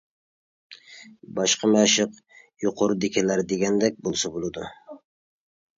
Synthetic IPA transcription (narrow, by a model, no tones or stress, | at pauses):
bɑʃqɑmæʃɨq | joqʰʊɾʊd̪ɪkʲʰɛlæɾd̪eɡʲɛnd̪ɛk̚ʲbolˠsɑbolˠɨd̪ʊ